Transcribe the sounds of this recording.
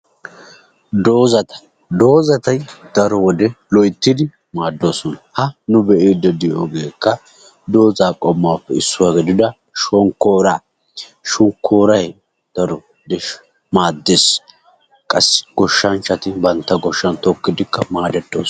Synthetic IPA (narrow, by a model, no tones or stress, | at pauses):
d̪oːzɐt̪ɐ̥ | d̪o̞ːzɐt̪ɐjd̪̥ɐɾɔwɔd̪ɛlɔjt̪ːɪd̪ɪ | maːd̪ːoːsɔnɐhɐnʊbɛʔeːd̪ɛd̪ɪjoːɡeːkːɐ | d̪o̞ːzaːkʼɔmːaːpːɛɪsːʊwaːɡɪd̪ɪd̪ɐ | ʃɔŋkːoːɾaː | ʃʊŋkʰːoːɾɐj | d̪̥ɐɾɔ | d̪ɛ | maːd̪ːeːs | kʼɐsːɡ̥ɔʃːɐnt͡ʃːɐt̪ɪbɐnt̪ːɐɡɔʃːɐnt̪ɔkːɪd̪ɪkːɐmaːd̪ɛt̪ːo̰ːs